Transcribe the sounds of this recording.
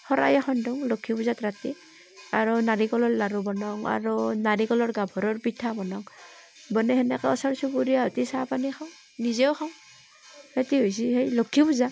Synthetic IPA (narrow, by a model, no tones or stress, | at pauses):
hɔɾʔa̰jaxʰɔndɔŋlokʰibuzatɾati | aɾunaɾikɔlɔɹlaɾubɔnɔŋa̰ɾunaɾikɔlɔɹɡabʱɔɾɔɹpitʰabɔnɔŋ | bɔnɛɦenɛkaɔsɔɾsubuɾijaɦɔtisapanikʰaw̃ | nizɛɔxʰaŋ | hetiɦojs̬iɦejlokʰibuza